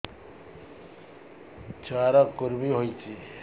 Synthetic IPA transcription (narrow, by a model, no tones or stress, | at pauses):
t͡suaɾʌkuɾmiɦojt͡sʰi